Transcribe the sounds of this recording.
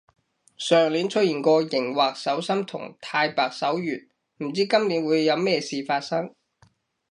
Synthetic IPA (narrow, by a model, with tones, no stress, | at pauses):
sœː˨˩ŋliː˨˥nt͡ʃʰɵ˥t̚jiː˨˩nkʷɔː˧jɪ˨˩ŋwaː˨k̚sɐ˨˥wsɐ˥mt̪ʰʊ̰˨˩ŋt̪ʰaː˧jpaː˨k̚sɐ˨˥wjyː˨˩n | m̩˨˩t͡siː˥kɐ˥mliː˨˥nwuː˨˧jːɐ˨˧wmɛː˥siː˨faː˧t̚sɐ˥ŋ